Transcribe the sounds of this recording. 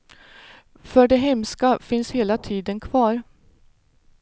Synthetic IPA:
fœɖɛɦɛmskafɪnsheːlat̪ʰiːd̪ənkʰvɑːɾ

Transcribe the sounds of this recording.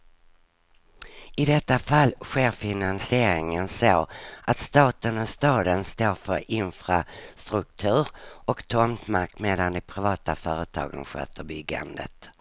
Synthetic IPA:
ɪd̪ɛt̪ːafalːɧeːɾfɪnansɪeːɾɪŋənsoːʔat̪st̪ɑːt̪ənɔst̪ɑːd̪ənst̪oːɾfœɾɪnfɾast̪ɾɵk̚t̪ʰʉ̟ːɾɔkt̪ʰɔmt̪makt̪meːd̪and̪ɛpʰɾɪvɑːt̪afœːɾət̪ʰɑ̰ːɡə̰nɧø̰ːt̪ʰəɾbʏɡa̰nd̪ə̰t̪

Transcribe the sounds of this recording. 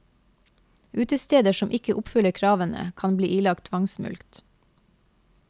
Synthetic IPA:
ʔʉːt̪əst̪eːd̪əʃɔmʔɪkəʔʊpfʏləkʰɾɑːʋənə̰kʰɑnblḭːʔiːlɑk̚t̪ʰʋɑŋsmʉ̰lkt̪

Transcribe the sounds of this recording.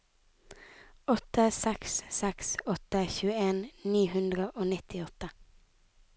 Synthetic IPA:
ɔt̪əsɛkssɛksɔt̪əçʉːəeːnniːhʉnd̪ɾəʔoːnɪt̪ɪɔt̪ə

